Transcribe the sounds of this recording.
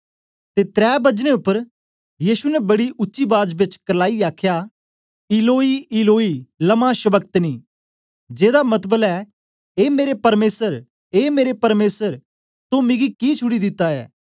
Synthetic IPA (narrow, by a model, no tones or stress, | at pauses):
t̪et̪ɾɛːbɐd͡ʒnẽʊpːəɾ | jiːsunɛbɐɽiʔʊtːʃibaːd͡ʒbɪt͡ʃkɐlaːiaːkʰja | ɪloːiɪloːilɐmaʃɐbək̚t̪niː | d͡ʒeːd̪amɐt̪bəlɛ | eːmeːɾepɐɾmeːsəɾ | eːmeːɾepɐɾmeːsəɾ | t̪omɪ̃ɡikit͡ʃʰʊɽid̪ɪt̪ːaɛ̰ː